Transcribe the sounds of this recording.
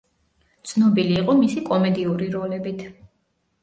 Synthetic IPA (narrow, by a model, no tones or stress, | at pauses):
t̪sʰnɔbiliːqʼɔmisikʼɔmɛd̪iuɾiɾɔlɛbit̪ʰ